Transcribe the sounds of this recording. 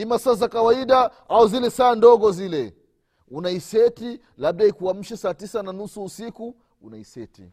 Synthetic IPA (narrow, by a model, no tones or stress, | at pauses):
imasazakawaiɗaauzilɛsaːndɔɠɔzilɛ | unaisɛti | laɓ̚ɗaikuam̩ʃɛsaːtisananusuːsiku | unaisɛtḭ